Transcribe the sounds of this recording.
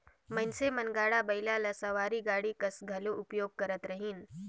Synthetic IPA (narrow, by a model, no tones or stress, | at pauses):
mənsemənɡaːɽabəjlalasəʋaːɾiɡaːɽikəsɡʱɐloʔʊpjoːɡ̚kəɾət̪ɾəɦiːn